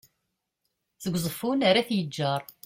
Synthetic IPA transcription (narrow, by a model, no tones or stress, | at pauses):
θəɡʷzˤəfunaɾaθjəd͡ʒːɑɾˤ